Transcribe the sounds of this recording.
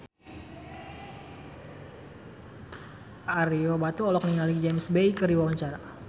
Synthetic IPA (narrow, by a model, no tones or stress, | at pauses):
ʔaɾiobat̪uɔlɔk̚niŋalid͡ʒemsbejkəɾiwawaɲt͡ʃaɾa